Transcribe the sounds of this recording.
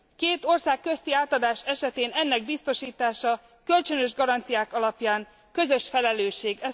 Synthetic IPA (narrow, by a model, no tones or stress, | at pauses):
keːt̪o̞rsaːkːø̞st̪iaːt̪ɒd̪aːʃɛʃɛt̪eːnɛnːɛɡ̚bist̪o̞ʃiːt̪aːʃɒ | kø̞lt͡ʃønø̞ʒɡɒɾɒnt̪sijaːkɒlɒpjaːŋ | kø̞zø̞ʃfɛlɛløːʃeːɡɛ